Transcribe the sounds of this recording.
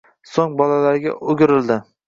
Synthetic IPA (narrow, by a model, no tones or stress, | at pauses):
soŋbɒlalaɾɡʲa̰ʔʊɡʲɪɾɪld̪ɪ